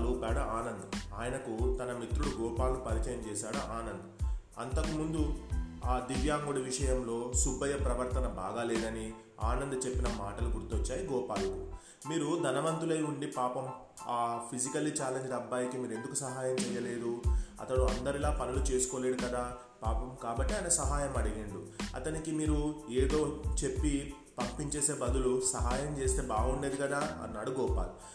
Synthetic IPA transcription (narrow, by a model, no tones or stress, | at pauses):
luːpaːɽuaːnɐnd̪ɐaːjɐnɐkut̪ɐnɐmit̪ɾuɽuɡɔːpaːlnupɐɾit͡ʃɐjɐmt͡ʃɛːsaːɽuʔaːnɐnd̪ɐ | ɐ̰nt̪ɐkumund̪uaːd̪iʋjaːŋɡuɽiʋiʂɐjɐmlo̞ːsubːɐjɐpɾɐʋɐɾt̪ɐnɐba̰ːɡaːleːd̪ɐni | a̰ːnɐnd̪ɐt͡ʃe̞pːinɐmaːʈɐlukuɽut̪uɔt͡ʃːaːjiɡɔːpaːlɐku | miːɾud̪ʱɐnɐʋɐnt̪ulɐjuɳɖipaːpɐm | aːpʰid͡ʒikɐlːit͡ʃaːleɲd͡ʒid̪ɐbːaːjikimiːɾe̞nd̪ukusɐɦaːjɐmt͡ʃɛjɐle̞ːd̪uɐ̰t̪ɐɽuɐnd̪ɐɾilaːpɐnulut͡ʃe̞ːsu̥koːleːɽukɐd̪aː | paːpɐmkaːbɐʈːiɐːjnɐsɐɦaːjɐmɐɽiɡiɳɖuɐ̰t̪ɐnikimiːɾueːd̪o̞ːt͡ʃe̞pːi | pɐmpiɲt͡ʃe̞ːse̞ːbɐd̪ulusɐɦaːjɐmt͡ʃe̞ːst̪e̞ːbaːɡɐuɳɖeːd̪ikɐd̪aːɐ̰nːaːɽuɡɔːpaːlu